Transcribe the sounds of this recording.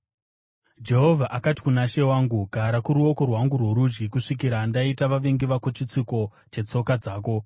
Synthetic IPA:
d͡ʒe̞ɦo̞vʱaʔakati̥kunaʃe̞waːŋɡuɡʱaɾakuɾuo̞ko̞rwaŋɡurwoɾud͡ʒɡikuʂikiɾandaitaʋaʋeŋɡiʋakot͡ʃit͡siko̞ | t͡ʃe̞t͡so̞kad͡zaːk̬o̞

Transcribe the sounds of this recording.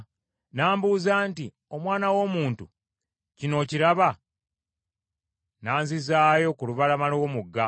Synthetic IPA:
naːmbuːzaːnti | o̞mwaːnawo̞muːntu | cino̞ːciɾaβa | naːnzizaːjo̞kuluβalamalowomuɡːa

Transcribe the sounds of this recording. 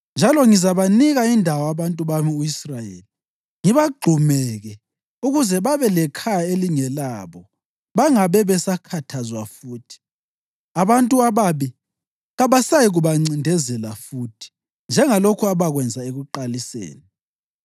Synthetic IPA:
nd͡ʒʱalɔŋizaβaniɣaindʱawɔaβantʼuβamiuisrajḛːli | ŋiβaɡ͡ǃʱumɛɣɛ | uɣuzɛβaβɛlɛkʰajaeliŋɛlaβɔ | βaŋaβɛβɛsakʰatʰazwafuːtʰi̥ | aβantʼuaβaβi | ɣaβasajiɣuβaŋ͡ǀindʱɛzɛlafuːtʰi̥ | nd͡ʒʱɛŋalokʰuaβaɣwɛnd͡zʱaeɣuǃalisḛːni

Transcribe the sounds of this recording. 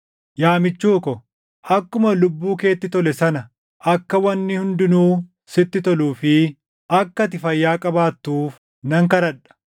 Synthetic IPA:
jaːmɪt͡ʃːuːkɔ | ʔɐkːʊmɐlʊbːuːke̞ːt̪ːɪt̪ɔlɛsɐnɐ | ʔɐkːɐwɐnːɪhʊnd̪ɪnuː | sɪt̪ːɪt̪ɔluːfɪ | ʔɐkːɐt̪ɪfɐjːaːkʼɐbaːt̪ːuːf | nɐŋkɐɾɐᶑɐ̥

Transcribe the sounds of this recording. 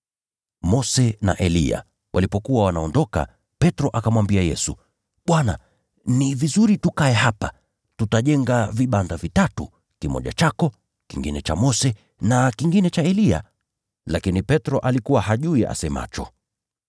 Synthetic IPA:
mɔsɛna̰ʔɛlia̰ | wʔalipɔkuwawanaɔndɔka̰ | pɛtɾɔʔakamwambiajɛsu | ɓwana | nivizuɾitukaɛɦapa | tutaʄɛŋɡaviɓandavitatu | kimɔ̰ʄa̰t͡ʃakɔ | kiŋɡinɛt͡ʃamɔsɛ | nakiŋɡinɛt͡ʃaɛlia̰ | lakinipɛtɾɔʔalikuwahaʄuia̰sɛma̰t͡ʃɔ

